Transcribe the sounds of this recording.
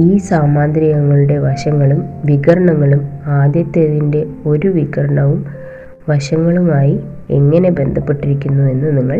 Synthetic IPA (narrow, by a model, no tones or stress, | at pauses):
iːsaːmaːnd̪ɾiɣɐŋːɐɭuɽe̞ʋɐɕɐŋːɐɭumʋiɣɐɾɐɳɐŋːɐɭumaːd̪jɐt̪ːeðinde̞o̞ɾuʋiɣɐɾɐɳɐʋum | ʋɐʂɐŋːɐɭumaːji | eŋːɐne̞be̞nd̪ʱɐpːe̞ʈːiɾikʲːunːue̞nːuniŋːɐɭ